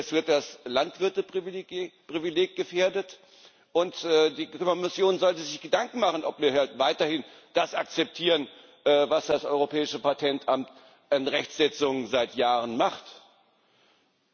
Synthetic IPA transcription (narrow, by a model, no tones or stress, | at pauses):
ɛsv̥ɪɐt̚d̥aslantv̥ɪɐtəʁvpʁ̥ivileːk̚ɡ̥əfeːɐdət | ʔʊntʔɛːdiːɔmɪsjoːnzɔltəzɪçɡ̥ədaŋkŋ̩maχn̩ʔɔpmiːɐhaltvaɪtɐhɪn | d̥asʔak̚t͡sɛp̚tʰiːʁən | ʔɛːvasd̥asʔɔʏʁopʰɛːɪʃəpatʰɛntʔamt | ʔanʁɛçz̥ɛt͡sʊŋəzaɪtjaːʁ̞ənmaχt